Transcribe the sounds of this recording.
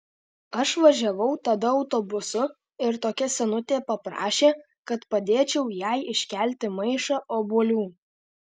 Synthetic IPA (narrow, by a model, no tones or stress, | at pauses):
ɐʃʋɐʒʲɛʋɐʊt̪ɐd̪ɐɐʊt̪oːbʊsʊ | ɪɾt̪oːkʲɛsʲɛnʊt̪ʲeːpɐpɾɑ̰ːʃʲeː | kɐt̪pɐd̪ʲeːt͡ʃʲɛʊjæɪɪʃʲkʲæˑlʲt̪ʲɪmɐɪʃɑʔoːboːlʲuː